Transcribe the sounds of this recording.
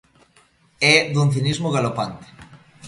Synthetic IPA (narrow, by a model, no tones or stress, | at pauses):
ɛðun̟θ̬inizmʊɣalopant̪e̥